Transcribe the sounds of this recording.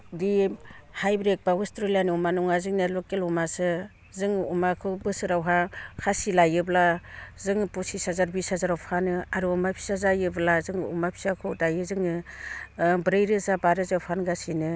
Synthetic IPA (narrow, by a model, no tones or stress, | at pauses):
dihajbɾek̚baustɾelianiumanɔŋazɯŋnelokelumasɯ | zɯŋumakʰɯbɯsɯɾawɦakʰasilajɯblazɯŋpɔsisazaɾbisazaɾawpʰanɯaɾuɔmapʰi̥sazajɯblazɯŋumapʰi̥sakʰɯwdajɯzɯŋɯ | bɾɯjɾɯzabaɾɯzapʰanɡasinɯ